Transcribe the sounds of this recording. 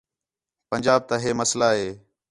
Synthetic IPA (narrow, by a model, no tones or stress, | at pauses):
pənd͡ʒaːb̚t̪aːɦeːməslaːɦeː